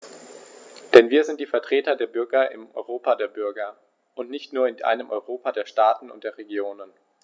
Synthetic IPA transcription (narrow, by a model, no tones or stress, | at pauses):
d̥ɛnviːɐzɪnt̚d̥iːfɛɐtʁ̥eːtɐdeːɐbʏɐɡɐʔɪ̰mʔɔ̰ʏʁoːpadeːɐbʏɐɡɐ | ʔʊntnɪçtnuːɐɪnʔa̰ɪnəmʔɔʏʁoːpadeːɐʃtaːtn̩ʊ̰nt̚d̥eːɐʁeɡjoːnən